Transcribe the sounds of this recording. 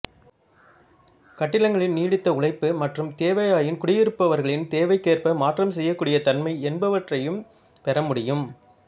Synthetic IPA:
kɐʈːɪlɐŋɡɐɭɪnniːɽɪt̪ːɐʊɭɐɪpːɯmɐʈrɯmt̪eːʋɐjaːjɪnkʊɽɪjɪɾɯpːɐʋɐɾɣɐɭɪnt̪eːʋɐɪkːeːrpɐmaːʈrɐmsɛjːɐkːuːɽɪjɐt̪ɐnmɐɪɛnbɐʋɐʈrɐjɯm | pɛɾɐmʊɽɪjɯm

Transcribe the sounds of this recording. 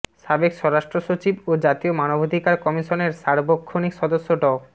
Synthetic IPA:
ʃabekʃɔɾaʃʈɾoʃot͡ɕibod͡ʑat̪iomanobʱod̪ʱikaɾkɔmiʃoneɾʃaɾbokʰːonikʃɔd̪oʃːoɖɔ

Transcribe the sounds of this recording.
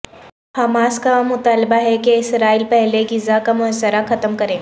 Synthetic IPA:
hɐmaːskamʊt̪aːlbaɦɛkeɪsɾaːiːlpɛɦleɡɪzakamʊɦəsəɾaxɐt̪əmkɐɾẽː

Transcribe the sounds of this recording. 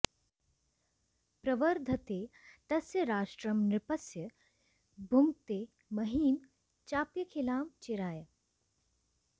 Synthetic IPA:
pɾɐʋəɾd̪ʱɐt̪eːt̪ɐsjɐɾaːʃʈɾɐmnɾɪpɐsjɐ | bʱuŋt̪eː | mɐɦiːn | t͡ʃaːpjɐkʰeːlaːmt͡ʃiɾaːjɐ

